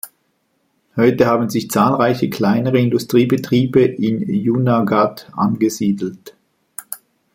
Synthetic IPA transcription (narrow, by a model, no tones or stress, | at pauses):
hɔʏtəhaːbn̩zɪçt͡saːlʁaɪçəkʰl̥aɪnəʁəɪndustʁ̥iːbətʁ̥iːbəʔɪnjunaɡatʔa̰nɡəziːdl̩t